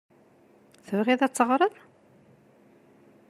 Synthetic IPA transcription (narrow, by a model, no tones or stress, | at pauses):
θəvʁɪðˤæt͡sːəʁɾˤəðˤ